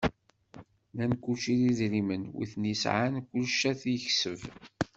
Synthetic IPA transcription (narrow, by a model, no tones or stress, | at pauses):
nænkːuʃiliðɾimənwḭθnisʕankʷːʊlʃːæθiəçsəv